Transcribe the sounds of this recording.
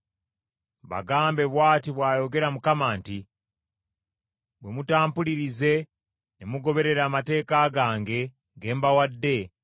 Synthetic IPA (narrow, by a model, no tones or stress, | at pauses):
βa̰ɡaːmbe̞βwaːtiβwaːjo̞ɡe̞ɾamukamaːnti | βwemutaːmpuliɾize̞ | nemuɡo̞βe̞ɾe̞ɾaːmate̞ːkaɡaːŋɡe̞ | ɡe̞ːmbawadːe̞